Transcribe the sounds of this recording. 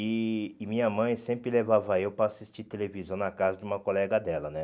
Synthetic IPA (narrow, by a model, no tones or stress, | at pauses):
ɪːmĩɲɐmɐ̃j̃sẽmpɾɪlevavɐewpɾɐːsist͡ʃit̪elevizɐ̃w̃nɐkazɐd͡ʒɪũmɐkolɛɡɐd̪ɛlɐnɛ